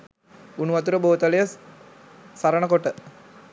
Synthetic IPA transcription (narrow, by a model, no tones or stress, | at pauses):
unuʋat̪̬uɾəboːt̪əlejə | saɾənəkoʈə